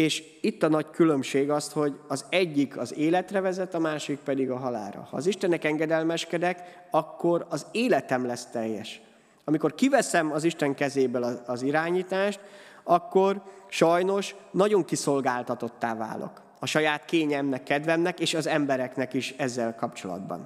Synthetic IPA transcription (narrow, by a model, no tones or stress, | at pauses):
eːʃ | it̪ːɒnɒckylø̞mʃeːɡɒst̪ho̞ɟɒzɛɟːikʰɒzeːlɛt̪rɛvɛzɛt̪ɒmaːʃik̚pɛd̪iɡɒɦɒla̰ːɾɒ̰hɒ̰ːziʃt̪ɛnɛkɛŋɡɛd̪ɛlmɛʃkɛd̪ɛk | ɒkːo̞ɾɒzeːlɛt̪ɛmlɛst̪ɛjːɛʃ | ɒmiko̞rkivɛsɛmɒziʃt̪ɛŋkɛzeːbølɒɒziɾaːɲiːt̪aːʃt̪ɒkːorʃɒjno̞ʃnɒɟo̞ŋkiso̞lɡaːlt̪ɒt̪o̞t̪ːaːva̰ːlʔo̰k | ɒʃɒjaːt̪keːɲɛmnɛkːɛd̪vɛmnɛkeːʃɒzɛmbɛɾɛknɛkiʃɛzːɛlkɒpt͡ʃo̞lɒ̰d̪̚bɒ̰n